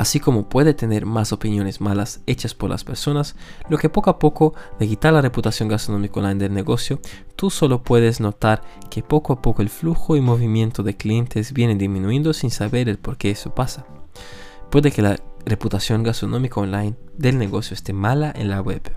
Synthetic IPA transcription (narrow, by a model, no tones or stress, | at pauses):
asiko̞mo̞pwe̞ðet̪ene̞ɾmaso̞pinjo̞ne̞zmalase̞t͡ʃaspoɾlʔa̰spe̞ɾso̞naslo̞kepo̞koapo̞koðe̞kit̪aɾlareput̪asjo̞ŋɡast̪ɾonõmikaonlajnd̪elneɣo̞sjot̪uso̞lo̞pwe̞ðezno̞t̪aɾkepo̞koapokoelfluxoimo̞βimje̞nt̪oðe̞klie̞nt̪ezbjenend̪izmĩnuend̪osinsaβe̞ɾelpo̞ɾke̞eso̞pasa | pwe̞ðeke̞lareput̪asjo̞ŋɡast̪ɾonõ̞mikaonlajnd̪e̞lne̞ɣo̞sjoest̪e̞malaʔḛnlaɣweβ